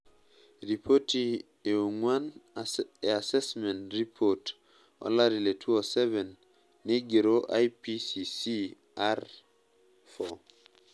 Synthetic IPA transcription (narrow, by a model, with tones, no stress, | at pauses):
ɾi˨pʰo˦ti˨ | e˨u˨ŋwa˦n | e˨a˨se˦smɛ˨ntɾi˦pʰot | o̰˨la˦ɾi˨le˨tʰu˦o˨sɛ˦vɛ˨nː | e˦ɡe˨ɾo˦ʔajpisi˨si˦ | aɾ | fɔ